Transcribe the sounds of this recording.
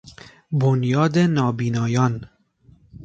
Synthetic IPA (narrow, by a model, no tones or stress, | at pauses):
bonjɒːd̪enɒːbiːnɒːjɒːn